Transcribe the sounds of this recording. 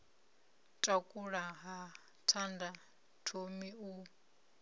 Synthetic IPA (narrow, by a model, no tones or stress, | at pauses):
tʼakʼuɺaɦa | tʰanda | tʰomiu